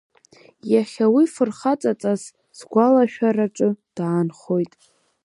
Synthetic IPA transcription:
jaχʲawifɨrχat͡sʼat͡sʼaz | sɡʷalaʃᶣaɾaʈ͡ʂʷʼʊd̥aːnχo̞jtʼ

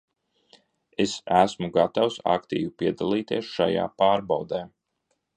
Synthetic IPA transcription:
esæsmuɡat̪awsa̰kt̪ḭːvipiɛd̪alˠiːt̪iɛsʃa̰ja̰ːpaːɾbawd̪eː

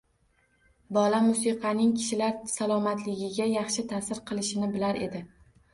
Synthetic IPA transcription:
bɒlamʊsiqʰɑnɪŋkʲʰɪ̥ʃɪlaɾsalˠɒmat̪lɪɡʲɪɡʲajɑχʃɪt̪ʰasɪɾqʰɨlˠɪʃɪnɪbɪlaɾe̞̰d̪ɪ

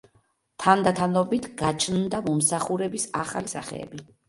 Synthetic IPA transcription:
t̪ʰand̪at̪ʰanɔbit̪ʰɡat͡ʃʰnd̪amɔmsaχuɾɛbisaχalisaχɛ̰ɛ̰bi

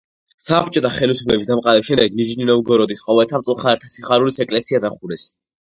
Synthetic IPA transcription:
sap̚t͡ʃʼɔt̪ʰaχɛlislɛbis̬d̪amqʼaɾɛbiʃɛmd̪ɛɡnid͡ʒninɔvɡɔɾɔd̪isqʼɔvɛlt̪ʰamt̪sʼlˠχaɛɾt̪ʰasiχaɾulisɛkʼlɛsiad̪aχuɾɛs

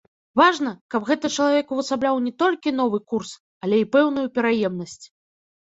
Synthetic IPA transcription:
vaʐnɐkɐbɣɛt̪ɨt͡ʂɐlˠavʲɛkuvɐsablʲawnʲɛt̪ɔlʲkʲin̪ɔvɨkurs | ɐlʲɛipɛwnujupʲɛɾajɛmnɐsʲt͡sʲ

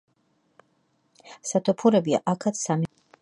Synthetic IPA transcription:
sat̪ʰɔpʰuɾɛbia̰ʔakʰat̪ssami

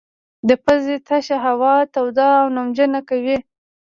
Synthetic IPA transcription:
d̪əpəzet̪ʰaʃaɦawɑt̪awd̪ɑawnʊmd͡ʒənakawi

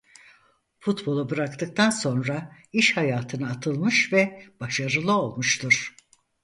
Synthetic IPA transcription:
fut̪bo̞lˠubɯɾakt̪ʰɯk̚t̪ʰanso̞nɾaiʃhajaːt̪ʰɯnɯːt̪ʰɯlˠmɯʃvɛb̥aʃaɾɯlˠɯo̞lˠmuʃt̪ʰuɾ̥

